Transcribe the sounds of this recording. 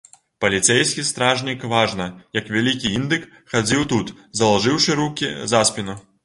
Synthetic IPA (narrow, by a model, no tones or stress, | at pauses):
pɐlʲit̪sɛjsʲkʲist̪ɾaʐnʲikvaʐnɐjɐkvʲalʲikʲiind̪ɨk | xad͡zʲiwt̪ut̪ | zɐlˠaʐɨwʂɨɾukʲḭzaspʲinu